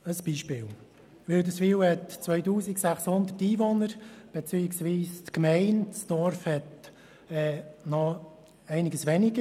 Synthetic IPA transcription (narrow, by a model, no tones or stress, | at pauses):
əsb̥iːʃpɪːw | ʋɪldəsfiːwhɛtt͡sʋœʏtuːsɪksæχshʊnd̪ətiːvɔnəɾb̥et͡syːɪksʋiːstkmɛɪntsd̥ɔɾfhɛt | ɛːnɔ | ɛɪnɪɡəsʋɛnɪɡə